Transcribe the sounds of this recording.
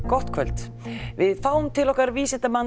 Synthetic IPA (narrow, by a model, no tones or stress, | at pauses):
kɔht̪kʰvœlt̪ | vɪðfaːwmt̪ʰɪlɔhkaɾviːsɪnt̪aman